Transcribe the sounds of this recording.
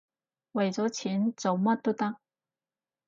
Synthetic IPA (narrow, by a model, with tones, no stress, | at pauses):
we˨˩t͡so˧˥t͡ɕʰi˧˥nt͡so˨˩ma˥t̪u˥t̪a˥ŋ